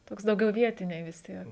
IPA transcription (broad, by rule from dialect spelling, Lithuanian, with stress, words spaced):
ˈtoːks dɐʊˈɡʲɛʊ ˈʋʲiɛtʲɪnʲɛɪ ʋʲɪs ˈtʲiɛk